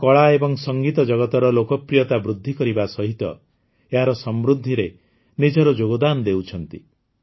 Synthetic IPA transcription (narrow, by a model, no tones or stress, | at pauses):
kɔɭaebɔŋsɔŋɡit̪ɔd͡ʒɔɡɔt̪ɔɾɔlokɔpɾijɔt̪abɾud̪ʱːikɔɾibasɔɦit̪ɔ̰ | eɦaɾɔsɔmɾud̪ʱːiɾe | nid͡ʒɔɾɔd͡ʒoɡɔd̪anɔd̪ewt͡ʃʰɔn̪t̪i